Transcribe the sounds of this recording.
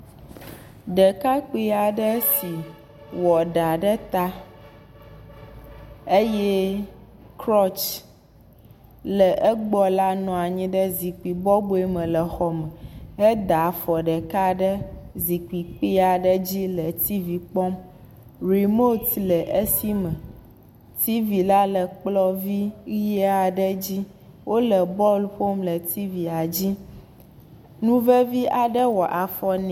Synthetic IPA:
ɖə˨ka˦k͡pi˦a˨ɖə˦si˨ | wɔ˨ɖa˨ɖə˦t̪a˦ | e˦jɛ˦ | kɾɔ˦t͡ʃ | lə˨ʔə˦ɡ͡bɔ˦la˦nɔ̃˨a˨ɲĩ˦ɖə˦zi˨k͡pi˨bɔ˦bo˦e˦mə̃˨lə˨xɔ˦mə̃˨ɛ˦d̪a˨fɔ˨ɖə˨ka˦ɖə˦zi˨k͡pi˨k͡pi˦a˨ɖə˦d͡ʑi˦lə˨t̪i˦vi˨k͡pɔ˦m | ɾi˨mo˦t̪lə˨ʔe˦si˦mə̃˨ | t̪i˦vi˨la˦lə˨k͡plɔ˦vi˦e˦a˨ɖə˦d͡ʑi˦ | wo˦lə˨bɔ˦lɸo˦mlə˨t̪i˦vi˨a˨d͡ʑi˦ | nũ˦və˦vi˦ʔa˨ɖə˦wɔ˨ʔa˨fɔ˦n

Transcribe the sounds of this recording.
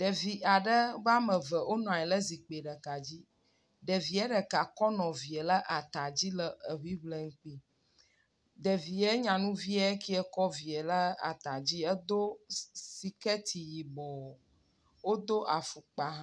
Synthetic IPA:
ɖə˨vi˨ʔa˨ɖə˦va˦mə˨və˨ʔo˦nɔ̃˨a˨ɛ˨lə˦zi˨k͡pe˨ɖə˨ka˨d͡ʑi˦ | ɖə˨vi˨ɛ˦ɖə˨ka˨kɔ˦nɔ̃˨vi˨ɛ˨lə˦ʔa˨t̪a˨d͡ʑi˦lə˦ə˨ɦwi˦βlə˦˨ŋ̩˦k͡pi˦ | ɖə˨vi˨e˦ɲã˨nũ˦vi˦a˦e˦ki˦ɛ˨kɔ˦vi˨ɛ˨lə˦a̰˨t̪a˨d͡ʑi˦ə˦d̪o˦si˨kɛ˦t̪ʰi˨ji˨bɔ˨ | wo˦d̪o˦ʔa˨fu˨k͡pa˨ɦã˦

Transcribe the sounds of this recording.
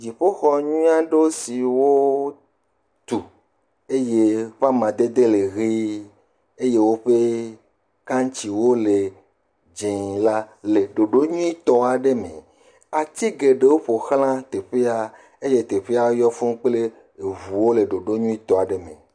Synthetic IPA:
d͡ʒi˨ɸo˦xɔ˦ɲũ˦a˦ɖo˦si˨wo˦ | t̪u˨ | e˦je˦ɸa˦mã˨d̪e˦d̪e˦le˨ɣi˦ | e˦je˦wo˦ɸe˦ | kã˦ŋ˦t͡ʃi˨wo˦le˨ | d͡ʒẽ˨la˦le˨ɖo˨ɖo˦ɲũ˦i˦t̪ɔ˨a˨ɖe˦mḛ̃˨ | a˨t̪i˦ɡe˨ɖe˦wo˦ɸo˨xl̃ã˦t̪e˨ɸe˦a˨ | e˦je˦t̪e˨ɸe˦a˨wo˦jɔ˦fũ˦k͡ple˦˨ | vu˨wo˦le˨ɖo˨ɖo˦ɲũ˦i˦t̪ɔ˨a˨ɖe˦mḛ̃˨

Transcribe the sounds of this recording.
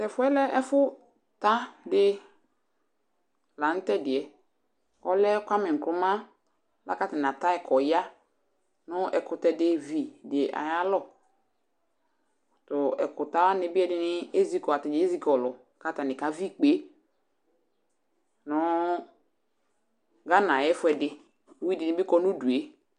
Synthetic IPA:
tɛ˨fʊ˨˦ɛ˦lɛ˦ʔɛ˦fʊ˦ | ta˦dɪ˦ | la˨n̩˦tɛ˦dɪ˨ɛ˨ | ɔ˦lɛ˦kʷa˦mɛ˨ŋ̩˨klʊ˨˦mã˦ | la̰˦ka˦ta˨na˨ta˦ɛ˨kʰɔ˨ja˦ | nʊ˦ʔɛ˨kʊ˨tɛ˨dɪ˦vi˨dɪ˨ɛ˨ʔa̰˨ja˦lɔ˦˨ | tʊ˨ɛ˨kʊ˨ta˦wa˦nɪ˦bɪ˦ɛ˦dɪ˦nɪ˦e˦zi˦kɔ˨a˨tɪ˨dɪ˨˦e˦zi˦kɔ˨lʊ˨ | ka˦ta˨nɪ˨ka˨vi˦k͡pe˨˦ | nʊ˦ | ɡa˦nã˨jɛ˦fʊ˦ɛ˨dɪ˨˦ | wi˦dɪ˨nɪ̃˦bɪ˦kɔ˦nu˦du˨e˦

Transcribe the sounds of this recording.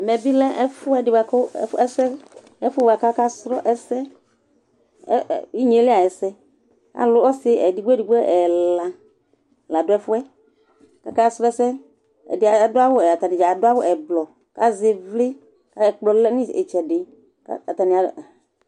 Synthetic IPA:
mɛ˨bi˦lɛ˦ʔɛ˦fʊ˦ɛ˦dɪ˨ba˨kɔ˦ɛ̰˦fɛ˦sɛ˦ | ɛ˦fʊ˦ba˨ka˦ka˦sɾɔ˦ʔɛ˦sɛ˦˨ | i˦ɲe˨˦lɪ˦a˨jɛ˨sɛ˦ | ka̰˨lʊ˦ɔ˦sɪ˦ɛ˨dɪ˨˦ɡ͡bɛ˦di˨ɡ͡bɛ˦ʔɛ˨lla˨ | la˨dʊ˦ɛ˦fʊ˦ɛ˦ | ka̰˦ka˦sɾɔ˦ɛ˦sɛ˦ | ɛ̰˨dɪ˨˦a˨dʊ˦a˦wʊ˦ɛ˨a˨t̪a˨nĩ˨d͡ʒa˨dʊ˦a˦wʊ˦ʔɛ˨blɔ˨ | ka˦zɪ˨vlɪ˦ | ka˦ɛ˨k͡plɔ˨lɛ˦nɪ˦ḛ˨t͡ʃɛ˨dɪ˨ | ka̰˦a˨t̪a˨ni˨a˨

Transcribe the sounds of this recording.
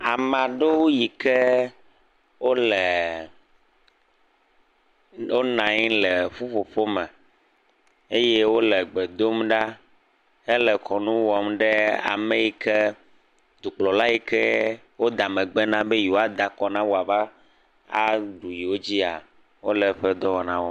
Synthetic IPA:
a˨m˨ã˨ɖe˦wo˦ji˨kɛ˦ | wo˦lɛ˨ | wo˦nã˨ɲĩ˦lɛ˨ɸu˦ɸo˨ɸo˦mɛ̃˨ | e˦je˦wo˦lɛ˨ɡ͡bɛ˨d̪o˦mɖa˦ | ɛ˦lɛ˨kɔ˨nũ˦wɔ˦mɖe˦a̰˨mẽ˦ji˦kɛ˦ | d̪u˨k͡plɔ˨la˦ji˦kɛ˦ | wo˦d̪a˨mɛ̃˨ɡ͡bɛ˦nã˦be˦ji˨wo˨a˦d̪a˨kɔ˨nã˦wo˦a˨va˦ | a̰˦ɖu˨ji˨wo˦d͡ʑi˦a˨ | wo˦lɛ˨ɸɛ˦d̪ɔ˦wɔ˨nã˦wo˦

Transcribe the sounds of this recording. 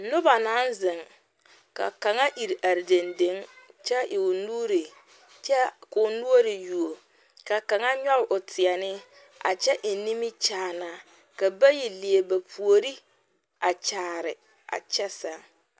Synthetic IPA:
nʊ˦ba˨na˨˦n˦zɪ˨ŋ | ka̰˨ka˨ŋa˦ʔi˨ɾi˨ʔa˨ɾde˨nde˦ŋt͡ʃɛ˦ʔɪ˨ʊ˨nuː˦ɾi˨ | t͡ʃɛ˦kʊ˨nu˦o˦ɾɪ˨ju˨o˨ | ka˨ka˨ŋa˦ɲɔ˦lʔʊ˨tʰɪ˨ɛ˨nɪ˦ | a̰˨t͡ʃɛ˦ʔɪ˨ni˦mɪ˦t͡ʃaː˨na˦ | ka˨ba˦ji˨li˨e˨ba˨pʰu˨o˨ɾi˦ | a˨t͡ʃaː˨ɾɪ˨ | a̰˨t͡ʃɛ˦sa˨˦

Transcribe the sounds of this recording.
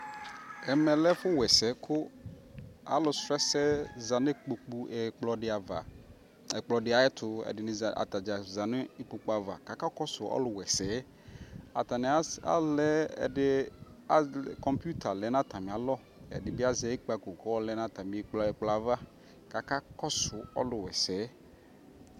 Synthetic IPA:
ɛ˨mɛ˨lɛ˦fʊ˦wɛ˨sɛ˨˦kʰʊ˦ | a̰˨lʊ˨stɾɛ˦sɛ˦za˨ne˦k͡po˨k͡pu˦ɛ˨k͡plɔ˨ɖɪ˨˦a˨va̰˨ | ɛ˨k͡plɔ˨dɪ˨a˨ɛ˦t̪ʰʊ˨ɛ̰˨dɪ˨nɪ˨a̰˨t̪a˨d͡ʒa˨za˨nʊ˦i˦pu˨k͡pa˨va̰˨ka˨ka˦kɔ˦sʊ˨ɔ̰˦lʊ˨wɛ˨sɛ˨˦ | a̰˨t̪a˨nɪ˨˦a̰˦lɛ˦ɛ̰˨dɪ˦ | a˦˨kɔ˨mpu˦t̪ʰa˨lɛ˨˦nã˦t̪a˨mɪ̃˨a˨lɔ˦ | ɛ̰˨dɪ˨bɪ˦a˦zɛ˨˦ɪ˦k͡pa˨ko˨kɔ˦ɔ˦lɛ˦nã˦t̪a˨mi˨˦k͡pɔ˨ɛ˨k͡plɔ˨a˨va˦ | ka˨ka˦kɔ˦sʊ˨ɔ̰˦lʊ˨wɛ˨sɛː˨˦

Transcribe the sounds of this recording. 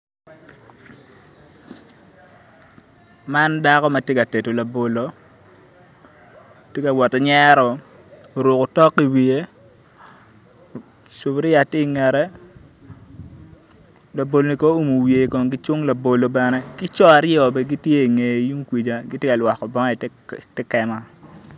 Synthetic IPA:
ma˦nda˦kɔ˦ma˨tje˦ka˨te˨to˨la˨bo˨lo˦ | tje˦ka˨wɔ˨tɛ˨ɲɛ˦ɾɔ˨ | o˨ɾu˨ko˨tɔ˦kːi˨˦wi˨e˦ | so˨bɾi˦a˨tɪ˦˨ŋɛ˨ɾɛ˦ | la˨bo˨lo˨ni˨ko˦o˨mu˨wje˨kɔ˨ŋɡɪ˦t͡ʃʊ˦ŋla˨bo˨lo˨bɛ˨nɛ˦kɪ˦t͡ʃɔ˦a˨ɾjɔ˨bɛ˨ɡi˦tje˦i˨ŋe˨jju˦ŋkwi˨d͡ʒa˨ɡi˦tje˦ka˨lwa˨kːɔ˨bɔ˦ŋa˦˨tɪ˦kɛ˨ma˦

